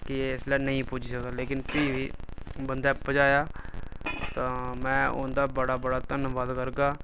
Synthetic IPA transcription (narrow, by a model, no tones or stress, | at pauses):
kɪeɪslɛːnəĩːpuːd͡ʒsəkd̪aːleːkɪnpiʋiːbənd̪aːpəd͡ʒaːjaː | t̪ãːmɛ̃ːʊ̰nd̪aːbəɽaːbəɽaːt̪ənʋaːd̪kəɾɡaː